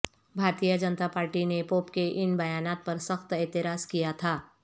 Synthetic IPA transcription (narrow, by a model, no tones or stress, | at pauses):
bʱaːɾt̪ijəd͡ʒənət̪apaːɾʈinepoːpkeʔɪnbɐjaːnaːt̪̚pɐɾsɐxt̪ɛːt̪ɪɾaːskijat̪ʰaː